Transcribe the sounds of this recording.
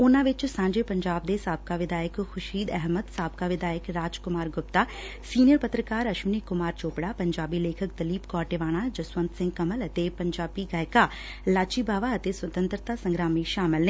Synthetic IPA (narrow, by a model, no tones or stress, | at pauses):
ʊnãːʋɪt͡ʃsãːɲd͡ʒeːpɐɲd͡ʒaːb̚d̪esaːb̚kaʋɪd̪aːjəkxʰʊʃiːd̪ɛɦməd̪saːbkaʋɪd̪aːjəkɾaːd͡ʒkʊmaːɾɡʊp̚t̪aː | siːnijəɾpət̪ɾəkaːɾɐʃʊnikʊmaːɾt͡ʃoːpɽaːpɐɲd͡ʒaːbileːkʰəkd̪əliːpkɔːʈeːʋaːɽ̃ad͡ʒɐswə̃nt̪sɪ̃ŋɡkəmələt̪epɐɲd͡ʒaːbiɡaːɪka | laːt͡ʃiːbaːʋaət̪eswət̪ə̃nt̪ɾət̪asə̃ŋɡɾaːmiːʃaːmɪlne